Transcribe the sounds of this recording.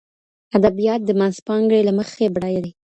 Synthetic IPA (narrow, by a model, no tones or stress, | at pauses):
ad̪abijɑt̪̚d̪əmanzpɑŋɡɽelaməxebɽɑjaɾi